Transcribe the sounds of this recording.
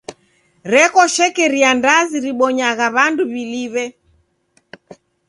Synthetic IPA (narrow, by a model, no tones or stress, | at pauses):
ɾɛkɔʃɛkɛɾiandaziɾiɓɔɲaɣaβanduβiliβɛ